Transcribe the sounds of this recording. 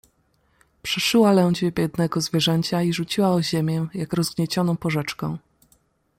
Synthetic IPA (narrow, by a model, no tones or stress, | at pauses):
pʂɛʂɘwalɛw̃d͡ʑvʲɛbʲjɛd̪nɛɡɔzvʲjɛʐɛɲt͡ɕaiʐut͡ɕiwaɔʑemʲjɛjakɾɔzɡɲɛt͡ɕɔnɔ̃w̃pɔʐɛt͡ʂkɔ̃w̃